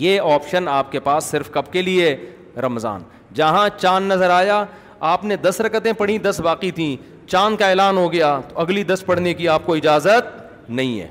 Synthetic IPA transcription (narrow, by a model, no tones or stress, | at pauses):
jeːɔːpʃənaːp̚kepaːsːɪɾfkɐbkelie | ɾɐmza̰ːn | d͡ʒɐɦãt͡ʃaːnːɐzəɾaːja | aːpned̪ɐsɾɐkət̪ẽpɐɽ̤ĩd̪ɐsʋaːqit̪ʰĩː | t͡ʃaːnkaeːlaːnɦoɡɐjat̪oɐɡlid̪ɐspɐɽ̤nekiaːp̚koɪd͡ʒaːzət̪̚ | nɐɦĩɦɛ̰ː